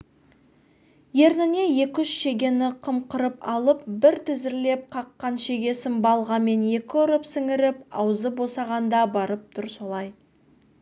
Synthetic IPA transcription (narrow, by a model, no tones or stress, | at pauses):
je̞ɾnɪne̞je̞kʲʏʃʃe̞ɡʲe̞nɪqʰəmqəɾəpɑlˠəpbɪɾt̪ʰɪzɪɾle̞p̚qʰɑqːɑnʃe̞ɡʲe̞sɪnbɑlˠʁɑme̞nje̞kʲɪʊɾəpsɪŋɪɾɪp̚ɑwzəbo̞sɑʁɑnd̪ɑbɑɾəp̚t̪ʰʊɾso̞lˠɑj